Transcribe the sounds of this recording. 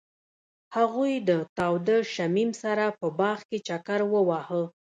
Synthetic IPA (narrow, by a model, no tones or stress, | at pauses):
haɣujd̪ət̪ɑwd̪əʃamimsaɾapəbɑɣket͡ʃakaɾwəwɑhə